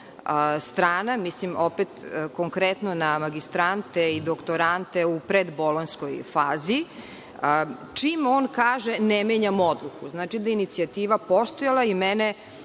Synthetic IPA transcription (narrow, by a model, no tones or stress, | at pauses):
əst̪ɾaːnamislimopet̪koŋkɾet̪nonamaɡist̪ɾant̪eid̪okt̪oɾant̪eupɾed̪bo̞lonskojfaːziː | ət͡ʃimoːnkaːʒenemeɲamo̞d̪lˠukuznaːt͡ʃid̪ainit̪siat̪iːʋapo̞st̪ojalˠaimɛne